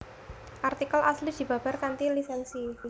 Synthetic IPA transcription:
ʔart̪ikalʔaslid̪̥i̤ba̤barkant̪ilisɛnsi

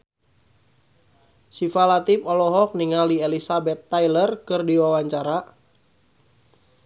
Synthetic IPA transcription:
sifalat̪ipɔlɔɦɔk̚niŋalielisabɛt̪ːajlərkɨrdiwawaɲt͡ʃaɾa

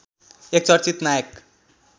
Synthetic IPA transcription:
ek̚t͡sʌɾt͡ʃit̪najek

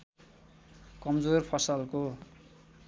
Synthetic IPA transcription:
kʌmd͡zorpʰʌsʌlko

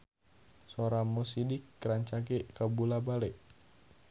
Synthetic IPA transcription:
soɾamosidɪkːɾaɲt͡ʃaɡekabulabalɛʔ

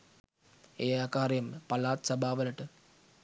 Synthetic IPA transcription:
eːakaːɾjɐmpɐlaːt̪sɐbʱaːʋɐlɐʈɨ

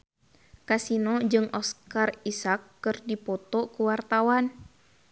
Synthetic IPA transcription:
kasinɔd͡ʒɨŋɔskarisakːɨrdipɔt̪ɔkuwart̪awan

